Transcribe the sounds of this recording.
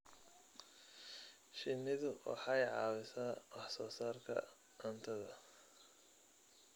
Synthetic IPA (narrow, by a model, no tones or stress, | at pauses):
ʃɪmɪðʊwʔɑ̰ħɑjʕɑ̰ːwɪsɐɐwɑħsɔːsaːrkʰɐ̰ | ʔɐnt̪ʰɐðɐ